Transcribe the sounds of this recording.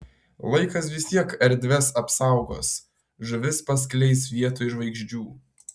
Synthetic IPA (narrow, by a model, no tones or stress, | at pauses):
lˠɐɪkɐs̬ʋʲɪsʲt̪ʲiɛkɛɾʲd̪ʲʋʲɛsɐpsɐˑʊɡo̰ːs | ʒʊʋʲɪspɐs̬ʲklʲɛɪsʋʲiɛt̪oːʒʋɐɪɡʒʲd͡ʒʲuː